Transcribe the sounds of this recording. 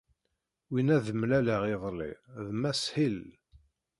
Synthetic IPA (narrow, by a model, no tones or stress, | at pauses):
winæðəmlæləʁiðˤlḭðmæshil